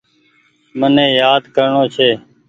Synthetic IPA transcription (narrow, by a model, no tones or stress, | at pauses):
mənẽːjaːd̪kəɾɳoːt͡ʃʰeː